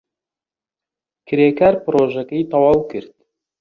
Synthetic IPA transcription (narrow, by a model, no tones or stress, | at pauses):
kʰɨɾeːkaɾpɨɾoʒɐkɐjt̪ʰɑwɑːwkʰɨɾd̪̥̚